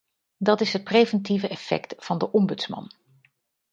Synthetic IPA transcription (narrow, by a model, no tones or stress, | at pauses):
dɑtɪsɦət̚prejvəntivəʔɛfɛ̰ktfɑndəʔɔmbɵtsmɑ̰n